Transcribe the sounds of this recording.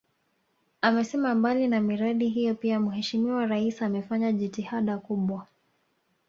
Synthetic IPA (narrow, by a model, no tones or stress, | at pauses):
amɛsɛmambalinamiɾaɗiɦijɔpiamuhɛʃimiwaɾaisamɛfaɲaʄitihaɗakuɓwa